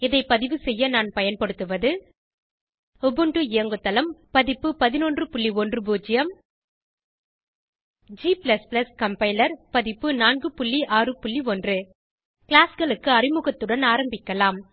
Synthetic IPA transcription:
ɪðɐɪpɐðɪʋɯsɛjːɐnaːnpɐjɐnpɐɽɯt̪ːɯʋɐðɯ | ɔbɯɳɖɯɪjɐŋɡɯt̪ːɐlɐmpɐðɪpːɯpɐðɪnoːndrɯpʊɭːiɔndrɯbuːd͡ʒɪjɐm | d͡ʒiːplɐsplɐskɐmpɐɪlɐɾpɐðɪpːɯnaːnɡɯpʊɭːiʔaːrɯpʊɭːiɔndrɯ | kɪɭaːsɡɐɭɯkːɯɐrɪmɯɣɐt̪ːɯɽɐnaːɾɐmbɪkːɐlaːm

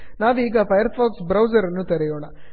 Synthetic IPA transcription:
naːʋiːɡɐpɐjɐɾpaːksbɾɐwd͡ʒɐɾɐnːut̪ɐɾɛjoːnɐ

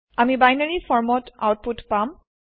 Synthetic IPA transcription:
amibajnaɹisɔɹmɔta̰wt̚putpam

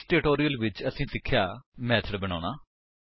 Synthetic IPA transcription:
ʈeːʈoːɾijəlʋɪt͡ʃəsĩːsɪkʰːjaːmɛːt̪ʰəɾbəña̰ːnaː

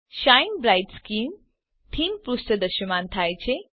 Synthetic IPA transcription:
ʃajnbɾajʈskim | t̪ʰimpɾusʈ̪əd̪əʃəmant̪ʰajt͡ɕʰe

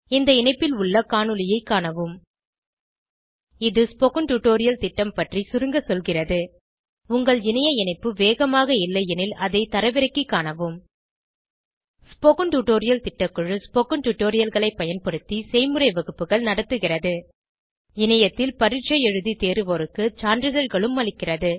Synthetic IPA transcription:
ɪnd̪ɐɪnɐɪpːɪlʊɭːɐkaːɳɯlɪjɐɪkːaːɳɐʋɯm | ɪðɯspɔkɯɳʈuʈoːɾɪjɐlt̪ɪʈːɐmpɐʈrisʊɾɯŋɡɐsɔlɣɪrɐðɯ | ʊŋɡɐɭɪnɐjɐɪnɐɪpːɯʋeːɣɐmaːɣɐɪlːɐjɛnɪlɐðɐɪt̪ɐɾɐʋɪɾɐɪkːikːaːnɐʋɯm | spɔkɯɳʈuʈoːɾɪjɐlt̪ɪʈːɐkːɯɻɯspɔkɯɳʈuʈːoːɾɪjɐlɣɐɭɐɪpːɐjɐnpɐɽɯt̪ːisɛɪmɯrɐɪʋɐɣɯpːɯɣɐɭnɐɽɐt̪ːɯɣɪrɐðɯ | ɪnɐjɐt̪ːɪlpɐɾɪʈt͡ʃːɐjɛɻɯðit̪eːɾɯʋoɾɯkːɯt͡ʃaːndɾɯðɐɻɣɐɭɯmːɐɭɪkːɪrɐðɯ

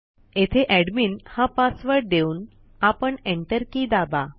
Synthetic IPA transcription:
et̪ʰeʔæɽmiːnhãpasʋəɾɽd̪euːn | apəɳeɳʈəɾkid̪aba

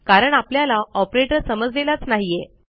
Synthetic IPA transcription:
kaɾəɳapljalaɔpɾeʈəɾsəməd͡zlelat͡snaɦije

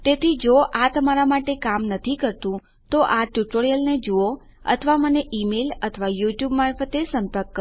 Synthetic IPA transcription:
t̪et̪ʰid͡ʒoʔat̪əmaɾamaʈekamnət̪ʰikəɾt̪ũ | t̪oʔaʈjuʈoɾijəlned͡ʒuo | ə̰t̪ʰəʋaməneʔimelət̪ʰəʋajuʈjubmaɾfət̪esəmpəɾkːə

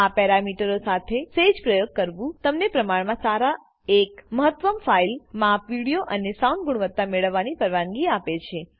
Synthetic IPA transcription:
apɛɾamiʈəɾosat̪ʰesed͡ʒpɾəjoɡ̚kəɾʋũt̪əmnepɾəmaɳmãsaɾa | ekməɦət̪ʋəmfailmapʋiɽijoʔənesaũnd̪̚ɡuɽ̃ʋət̪ːameɭəʋːanipəɾʋaŋɡiapet͡ʃʰe

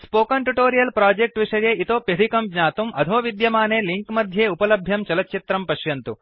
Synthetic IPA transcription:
spoːkɐɳʈuʈoːɾijɐlpɾaːd͡ʒek̚ʈʋiʂɐjeːʔit̪oːpjɐd̪ʱikɐmɡɲaːt̪umʔɐd̪ʱoːʋid̪jɐmaːneːliŋkmɐd̪ʱjeːupɐlɐbʱjɐmt͡ʃɐlɐt̪t͡ʃit̪ɾɐmpɐʃjɐnt̪u

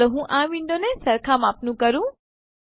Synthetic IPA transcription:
əɦũʔãːʋĩːnd̪onesɐɾkʰamaːpnũkɐɾũː

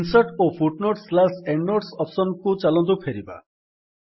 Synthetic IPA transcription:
nsɔʈopʰuʈnoʈslaseɳɖnoʈsɔpsɔnkut͡ʃalɔnt̪̬upʰeɾiba̰

